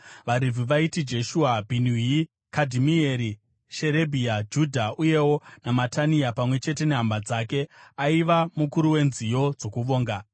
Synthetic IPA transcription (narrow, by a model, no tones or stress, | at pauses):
ʋaɾivʱiʋaitid͡ʒe̞ʃuabʱinui | kadʱimieɾi | ʃe̞ɾebʱiad͡ʒudʱaʔuje̞wo̞namatʰaniapamwe̞t͡ʃe̞te̞neɦambad͡zake̞aiʋamukuɾuwe̞nzijo̞d͡zo̞kuʋo̞ːŋɡa